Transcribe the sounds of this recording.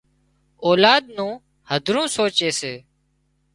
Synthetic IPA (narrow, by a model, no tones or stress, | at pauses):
oːlaːd̪̚nũː | həd̪ʱɾũːsoːt͡ʃeːseː